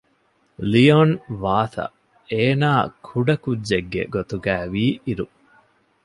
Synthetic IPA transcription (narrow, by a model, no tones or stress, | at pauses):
lionʋaːt̪ɐ̰ | eːnaːkʰuɖɐkudːeɡːḛɡot̪uɡæːʋiːiɾu